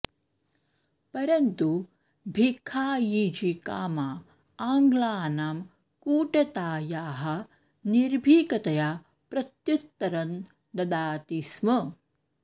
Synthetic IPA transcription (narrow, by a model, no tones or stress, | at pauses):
pɐɾɐnt̪u | bʱikʰːaːjiːd͡ʒika̰ːma | aːŋɡlaːnaːm | kuːʈɐt̪aːjaːɦɐ | niɾbʱiːkɐt̪ɐjaː | pɾɐt̪jut̪ːɐɾɐn | d̪ɐd̪aːt̪ismɐ